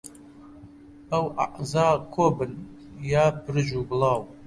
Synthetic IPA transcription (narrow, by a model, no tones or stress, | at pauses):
ɐwʔa̰ʔzaːkʷʰobɨn | jaːpʰrɨʒuɡlaːw